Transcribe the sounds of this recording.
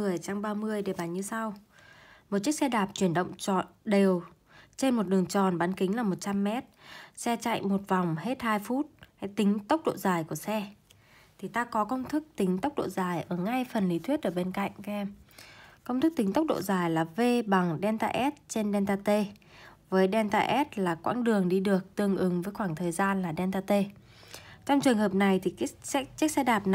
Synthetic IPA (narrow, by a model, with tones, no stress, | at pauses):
ɨ˨˩əjt͡ɕa˧ŋ͡mɓaː˧mɨ˧əjɗe˨˩ɓaː˨˩nɲɨ˧sa˧w | mo˨˩t̚t͡ɕi˦˥ək̚sɛ˧ɗaː˨˩p̚t͡ɕwi˧˩ənɗə̰˧˨wŋ͡mt͡ɕɔ̰˧˨˩nɗe˨˩w | t͡ɕe˧nmo˨˩t̚ɗɨ˨˩əŋt͡ɕɔ˨˩nɓaː˨˦nkï˨˦ŋ̟laː˨˩mo˨˩t̚t͡ɕa˧mːɛ˦˥t̚sɛ˧t͡ɕa̰˧˨jŋmo˨˩t̚va˨˩wŋ͡mhe˦˥t̚haː˧jfu˦˥t̚ha˧˩jt̪ï˨˦ŋ̟t̪ə˦˥wk͡p̚ɗo̰˧˨zaː˨˩jku˧˩əsɛ˧ | t̪ʰi˨˩t̪aː˧kɔ˨˦kə˧wŋ͡mt̪ʰɨ˦˥k̚t̪ï˨˦ŋ̟t̪ə˦˥k͡p̚ɗo̰˧˨zaː˨˩jʔəː˧˩ŋa˧jfə˨˩nli˨˦t̪ʰwi˦˥ət̚ʔəː˧˩ɓe˧nka̰˧˨jŋ̟kɛ˧m | kə˧wŋ͡mt̪ʰɨ˦˥k̚t̪ï˨˦ŋ̟t̪ə˦˥k͡p̚ɗo̰˧˨zaː˨˩jlaː˨˩ve˧ɓa˨˩ŋɗɛ˧nt̪a̰ː˧ʔɛ˦˥t̚t͡ɕe˧nɗɛ˧nt̪aː˧t̪e˧vəː˨˦jɗɛ˧nt̪aː˧ʔɛ˦˥t̚laː˨˩kwa̰ː˧˥nɗɨ˨˩əŋɗi˧ɗɨ˨˩ək̚t̪ɨ˧˩əŋʔɨ˨˦ŋvəː˨˦jxwaː˧˩ŋt̪ʰəː˨˩jzaː˧nlaː˨˩ɗɛ˧nt̪aː˧t̪e˧ | t͡ɕɔ˧wŋ͡mt͡ɕɨ˨˩əŋhɦəː˨˩p̚na˨˩jt̪ʰi˨˩kt͡ɕi˦˥k̚sɛ˧ɗaː˨˩p̚n˨